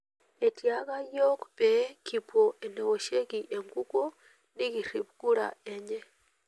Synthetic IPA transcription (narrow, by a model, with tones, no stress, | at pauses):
e˨tja˦ka˦jo˦kpe˨˦ki˨po˨ʔe˨ne˨wo˨ʃe˦ɡi˨ʔe˨ŋɡu˦ko˦ | ni˦ɡi˨ɾi˨pɡu˦ɾa̰˨ɛ˦ɲɛ˦